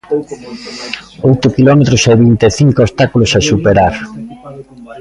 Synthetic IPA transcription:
ojt̪ʊkilɔmet̪ɾʊseβint̪eθiŋkoost̪akulʊsasupeɾaɾ

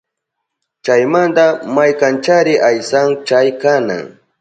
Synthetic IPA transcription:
t͡ʃajmand̪amajkant͡ʃaɾɪʔajsaŋt͡ʃajkana̰ŋ

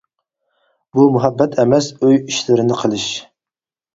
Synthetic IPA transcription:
bumuɦɛbːɛt̪ʰɛmɛsøjiʃlɪɾɪnɪqʰəlˠɨʃ

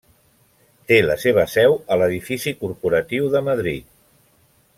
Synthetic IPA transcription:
t̪eləseβ̞əsɛwələðifisikuɾpuɾət̪iwðəməðɾit̪̚

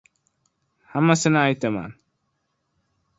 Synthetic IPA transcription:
hamːasɪnait̪ama̰ːn

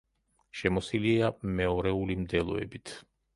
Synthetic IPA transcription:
ʃɛmɔsiliamɛɔɾɛulimd̪ɛlˠɔ̰ɛ̰bit̪ʰ

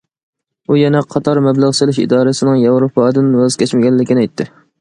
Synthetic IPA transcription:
ujɛnɛqʰɑt̪ʰɑɾmɛblˠæʁsɨlɪʃḭd̪ɑːɾɨsɨnɪŋjɑwɾopʰɑːd̪ɨnwæz̥kʲʰɛt͡ʃmɪɡʲɛnllɪkʲinɛjt̪ʰːɪ

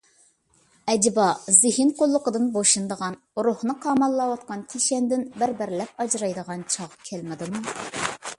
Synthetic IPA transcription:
ɛd͡ʒbɑzɪhɪnqolˠːʊqəd̪ɨnboʃɨnd̪əʁɑn | ɾohnɨqʰɑːmɑlˠːɑwɑt̪̚qɑnt̪ʰiʃɛnd̪ɪnbɪɾbɪɾlɛp̚ɑd͡ʒɾɑjd̪əʁɑnt͡ʃʰɑʁkʲʰɛlmɪd̪ɨmu

